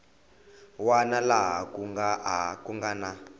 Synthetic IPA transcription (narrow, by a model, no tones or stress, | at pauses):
wanalaɦakuŋɡaakuŋɡana